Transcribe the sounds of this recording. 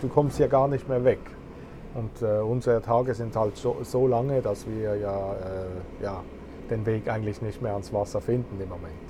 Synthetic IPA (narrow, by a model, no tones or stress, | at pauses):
d̥uːkʰɔmsthjaːɡaːɐnɪçtmeːɐvɛk | ʔʊntɛːʊnzəʁətʰaːɡəzɪnthaltz̥oːz̥oːlaŋədasv̥iːɐjaːɛːjaː | d̥eːnveːkʔaɪɡŋ̩tlɪçnɪçtmeːɐansv̥asɐfɪndn̩ɪmːomɛnt